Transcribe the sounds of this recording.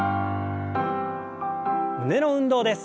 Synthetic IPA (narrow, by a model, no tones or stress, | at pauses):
mɯ̟ne̞no̞ɯ̟̃nd̪o̞ːd̪e̞sɨ̥